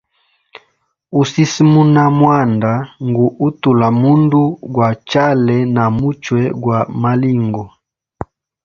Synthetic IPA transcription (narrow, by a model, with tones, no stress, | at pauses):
u˦si˦si˦mu˦na˦mwa˦˨nda˨ŋɡu˨u˦tu˨la˨mu˦ndu˦ɡwa˨t͡ʃa˦lɛ˨na˨mu˦t͡ʃwɛ˨ɡwa˨ma˦li˦˨ŋɡɔ˨